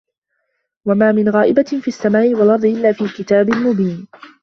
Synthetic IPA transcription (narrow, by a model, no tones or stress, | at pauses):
wamaːmɪnɣaːʔɪbafiːasːamaːʔɪwalʔɑɾˤd̪ˤʔɪlːaːfiːkɪt̪aːbɪlmʊbiːn